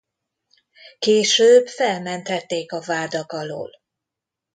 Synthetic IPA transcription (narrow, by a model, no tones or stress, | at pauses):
keːʃøːbfɛlmɛnt̪hɛt̪ːeːkɒvaːd̪ɒkɒlo̰ːl